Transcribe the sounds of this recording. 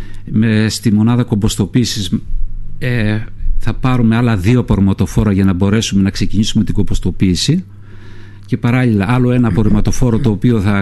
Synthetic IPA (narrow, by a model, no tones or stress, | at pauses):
mest̪imo̞nɐðɐko̞bo̞st̪o̞piːsiz | eθɐpɐɾume̞ɐlɐðio̞ɐpoɾimɐt̪o̞fo̞ɾɐʝɐnɐbo̞ɾe̞sume̞nɐkse̞ciɲisume̞t̪iɡo̞bo̞st̪o̞piːsi | ce̞pɐɾɐʎilɐʔɐlo̞e̞nɐːpo̞ɾimɐt̪o̞fo̞ɾot̪o̞ːpio̞θɐ